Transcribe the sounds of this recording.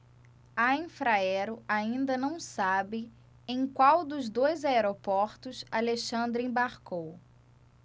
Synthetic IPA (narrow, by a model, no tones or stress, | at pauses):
aẽfɾaɛɾʊaĩnd̪ɐnɐ̃w̃sabɪ | ẽj̃kwawd̪ʊzd̪ojzaeɾopɔɾt̪ʊsaleʃɐ̃nd̪ɾĩbaɾkow